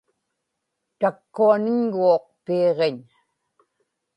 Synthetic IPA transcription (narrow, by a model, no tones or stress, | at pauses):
t̪akːuanɪɲɣuoq̚peːʁeɲ